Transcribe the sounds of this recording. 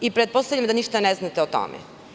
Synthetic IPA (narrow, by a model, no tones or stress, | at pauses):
ipɾet̪po̞st̪avʎʲamd̪aniʃt̪aneznat̪ɛot̪o̰mɛ̰